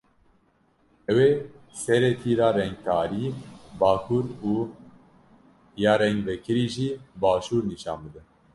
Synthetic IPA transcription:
ɛweː | sɛɾɛt̪ʰiːɾɑːɾɛŋɡkʰɑːɾiːbɑːkʰuɾuː | jɑːɾɛŋɡvɛkʰɨɾiːʒiːbɑːʃuːɾniʃɑ̰ːnbɨd̪ɨn

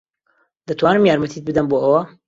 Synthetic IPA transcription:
d̪̥ɐt̪ʰwaːnɨmjaːɾmɐt̪ʰit̪̚bɨd̪ɐmboːʔɐwɐ

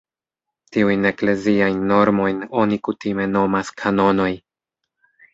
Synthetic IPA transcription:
tiujne̞kle̞ziajnːo̞ɾmo̞jno̞nikutime̞no̞maskʰano̞no̞j

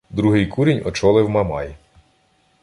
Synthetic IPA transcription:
d̪ɾuɦɪjkuɾʲinʲɔt͡ʃɔlˠɪwmɐmɑ̰ji

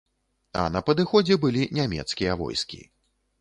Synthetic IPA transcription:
ɐ̰nɐpɐd̪ɨxɔd͡zʲɛbɨlʲinʲamʲɛ̰t̪skʲijɐvɔ̰jskʲḭ

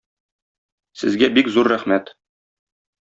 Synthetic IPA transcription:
sɘ̰̆zɡæbikzuɾːæχmæt̪

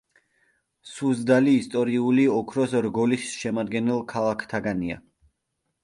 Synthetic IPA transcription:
suzd̪aliːst̪ʼɔɾiuliɔkʰɾɔsɾɡɔlisʃɛmad̪̚ɡɛnɛlˠkʰalˠakʰt̪ʰaɡania̰

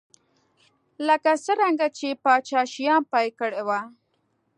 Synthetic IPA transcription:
ləkasəɾaŋɡat͡ʃepɑt͡ʃɑʃijɑnpɑjkəɽewa

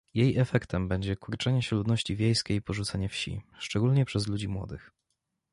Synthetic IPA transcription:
jejɛfɛkt̪ɛmbɛɲd͡ʑɛkuɾt͡ʂɛɲɛɕɛlud̪nɔɕt͡ɕivʲjejskʲejpɔʐut̪saɲɛfɕḭʂt͡ʂɛɡulɲɛpʂɛzlud͡ʑimwɔ̰d̪ɘx

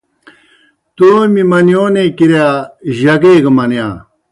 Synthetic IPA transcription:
t̪oːmimɐnjoːnekiɾjaʑɐɡeːɡɐmɐnjã̰ː

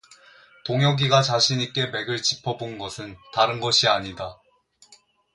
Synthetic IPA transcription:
toŋɦjʌɡiɡat͡ɕaɕʰiɲik͈e̞me̞ɡɯɭt͡ɕipʰʌbonnɡʌsʰɯntaɾɯnɡʌɕʰiaɲida

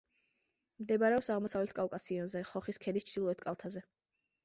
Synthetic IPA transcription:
md̪ɛbaɾɛɔpsaʁmɔsavlɛt̪ʰkʼawkʼasiɔnzɛχɔχiskʰɛd̪ist͡ʃʰd̪ilˠɔɛt̪ʰkʼalˠt̪ʰazɛ

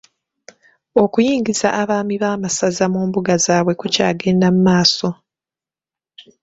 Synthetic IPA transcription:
o̞kujiːŋɡizaʔːβaːmiβaːmasazamuːmbuɡazaːβwe̞kucaːɡe̞ːndamumaːso̞

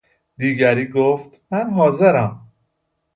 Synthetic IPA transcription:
d̪iːɡæɾiːɡoːft̪mænɦɒːze̞ɾæm

